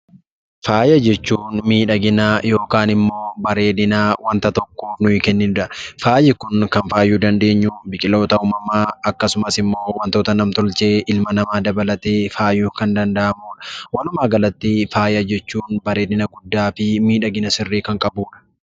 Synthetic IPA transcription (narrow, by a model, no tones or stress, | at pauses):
faːjɐd͡ʒɛt͡ʃːuːnmiːᶑɐɡɪnɐjo̞ːkaːnɪmːo̞ːbɐɾe̞ːd̪ɪnawɐnt̪ɐt̪ɔkːoːnʊɪkɛnːɪnʊᶑɐfaːjɪkʊnkɐnfaːjːuːd̪ɐnd̪e̞ːɲːubɪkʼɪlo̞ːt̪ɐuːmɐmaːɐkːɐsʊmɐsɪmːo̞ːwɐnt̪oːt̪ɐnɐmt̪ɔlt͡ʃʼe̞ːʔɪlmɐnɐmaːd̪ɐbɐlɐt̪eːfaːjːuːkɐnd̪ɐnd̪ɐʔɐmuːᶑɐ̥wɐlʊmaːɡɐlɐt̪ːɪfaːjɐd͡ʒɛt͡ʃːuːnbɐɾe̞ːd̪ɪnɐɡʊd̪ːaːfɪmiːᶑɐɡɪnɐsɪrːiːkɐŋkʼɐbuːᶑɐ̥